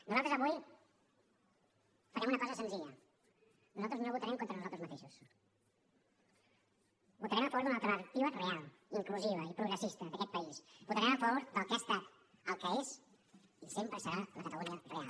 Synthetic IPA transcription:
nuzalt̪ɾzɐβuj | fɐɾɛmunəkɔzəsənziʎə | nuzalˠt̪ɾəznoβut̪aɾɛmkont̪ɾənuzalt̪ɾəzmɐt̪eʃus | but̪əɾɛmafɔɾðunalt̪ɾəaɾk̚t̪iβərealˠ | iŋkluziβ̞əipɾuɣɾəsist̪əðəkɛt̪̚pəisbut̪əɾɛməfoɾd̪əlˠkəast̪at̪ | əlˠkəez | isempɾəsəɾaləkət̪əluniərea̰l

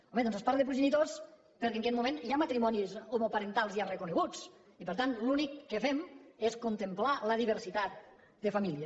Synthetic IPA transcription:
ɔmeðɔnzespaɾðepɾuʒenit̪os | pəɾkeŋkɛt̪̚mumẽniamat̪ɾimɔnizomopaɾent̪alˠzjarekuneɣut͡s | ipəɾt̪anlunikːefɛmeskunt̪emplaləðiβ̞əɾsit̪at̪̚ | d̪əfamilˠiə

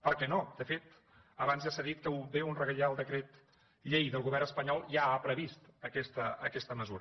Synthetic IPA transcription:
pəɾkɛnod̪əfet̪ | əβanzjasaðit̪̚kəubeunrəɣəʎaəlˠd̪əkɾɛt̪ | ʎɛjðəlˠɣuβɛrnəspəɲɔlˠʒaːpɾəβist̪əkɛst̪əəkɛst̪əməzuɾ

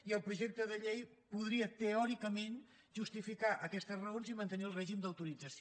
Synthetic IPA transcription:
iəlˠpɾuʒɛk̚t̪əðəʎej | puðɾiət̪əɔɾikəmen | ʒust̪ifikaʔəkɛst̪əzrəonzimənt̪əniəlˠrɛʒimd̪əwt̪uɾid͡zəs

